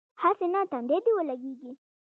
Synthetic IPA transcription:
hasenat̪and̪ed̪iwəlaɡeɡi

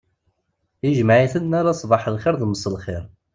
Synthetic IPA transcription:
iʒmʕiθənːaɾasˤbɑħəlχɪɾðməsˤəlχɪɾ

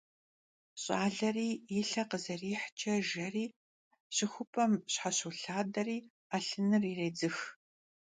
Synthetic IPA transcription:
ɕʼaːɮɐriːjɪɬɐqəzɐriːħt͡ʃʼɐʒɐriː | ɕɪxʷʊpʰʼɐmɕħaɕuɬaːdɐriː | aɬɨnɨriːreːd͡zɨx

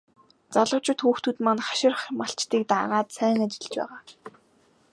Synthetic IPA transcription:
t͡saɮə̆wt͡ɕʰʊ̆t̪xuːxt̪ʰut̪manχḁʃɪ̆rχmaɬt͡ɕt̪iːk̚t̪a̰ʁaːt̪sæːŋat͡ɕɪ̆ɮt͡ɕpæ̰ːʁaː

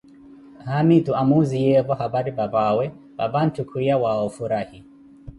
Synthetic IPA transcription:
hamituamuzijɛvɔhabaɾibabawɛ | ba̰ban̩tukʰuijawaɔfuɾahi

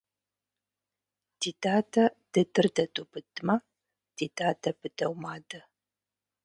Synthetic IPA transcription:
d̥iːdaːdʰɐd̥ɨdɨrdɐtʼubɨtːɨmɐ | d̥iːdaːdɐbɨdɐwmaːdɐ

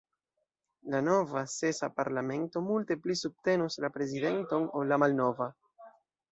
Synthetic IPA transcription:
lano̞vase̞sa̰paɾlame̞nto̞multe̞plisub̚te̞nuslapɾe̞zide̞nto̞no̞lamalno̞va

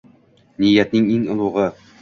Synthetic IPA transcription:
nijːæt̪̚nɘŋiŋŏlˠuʁɤ

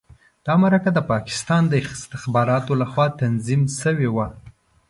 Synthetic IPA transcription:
d̪̥ɑmaɾakad̪əpɑkɪ̥st̪ɑnd̪əɪxst̪ɪxbɑɾɑt̪olaxwɑt̪anzimʃəwewa

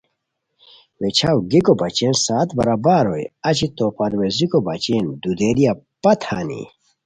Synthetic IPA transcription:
wet͡ɕʰawɡikobɐt͡ɕẽnsaːt̪bɐ̰ɾabaːɾojɐt͡ɕit̪opɐɾwezikobɐt͡ɕend̪ud̪eːɾija | pɐt̪ʰaːnḭ

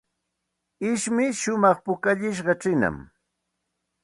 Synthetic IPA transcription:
ɪʃmɪʃʊmɑχpʊkaʎɪʃ̬ɢɑʈ͡ʂɪna̰m

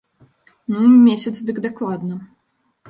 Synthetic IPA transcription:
numʲesʲɐt̪sd̪ɨkd̪aklˠad̪nɐ

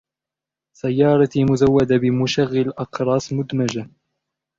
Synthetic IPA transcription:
sajːɑːɾˤɑt̪imʊzawːad̪abɪmʊʃaɣːɪlʔɑqɾˤɑːsˤmʊd̪mad͡ʒa

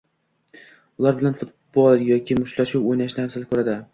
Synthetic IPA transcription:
ʊlˠaɾbɪlanfʊt̪̚ | bɒlˠjɒkʲʰɪmʊʃlaʃuwojnaʃnɪhasɪlkʰɵɾad̪ɪ

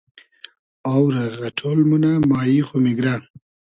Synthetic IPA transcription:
awɾaɣaʈʰolmunamaːjiχomiɡɾa

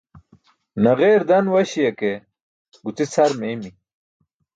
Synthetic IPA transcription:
nɐɣeɾd̪ɐnwɐɕijɐke | ɡut͡sit͡sʰɐɾmeːmi

